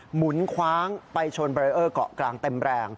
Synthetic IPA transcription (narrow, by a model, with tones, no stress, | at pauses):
mu˩˦nkʰwaː˦˥ŋpa˧jt͡ɕʰo˧nbːɾi˧ʔɤː˥˩kɔ̰˨˩ʔklaː˧ŋt̪e˧mɾɛː˧ŋ